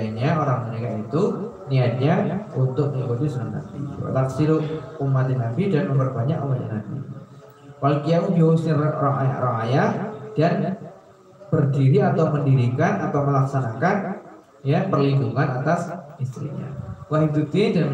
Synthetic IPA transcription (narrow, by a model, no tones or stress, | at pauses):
ɲaoɾaŋmənekait̪u | niat̪̚ɲaunt̪ʊk̚məɡod̪ismana̰bḭa̰t̪aksiɾʊʔ̚umat̪inabidanməmpərbaɲakowaja̰nabḭ | walokijaud͡ʒausɪrɾɔŋa̰ja̰ʔɾɔŋajaʔd̥an | b̥ərdiɾiat̪awməndiɾikanat̪awməlaksanakan | japərliɡuŋanat̪asist̪ɾḭɲa̰waɦit̪ut̪idan